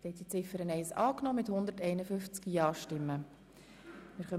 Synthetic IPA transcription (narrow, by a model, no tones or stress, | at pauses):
tɛt̪it͡sɪfəɾənɛɪsɑːknɔːmɪthʊnd̪əɾtɛɪnəfʏnft͡skjɑːʃtɪmːə | mɪɾχœ